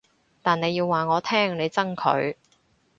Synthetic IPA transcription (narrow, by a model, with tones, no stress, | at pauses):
t̪aː˨˩ne˨˧jiː˧wːaː˨˩ŋɔː˨˧t̪ʰɛː˥ŋne˨˧jt͡sɐ˥ŋkʰɵ̰˨˧˥ɥ